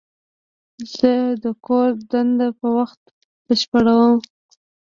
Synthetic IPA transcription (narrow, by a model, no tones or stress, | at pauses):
z̥əd̪əkoɾd̪and̪apəwaxt̪̚ | b̥əʃpəɽawəm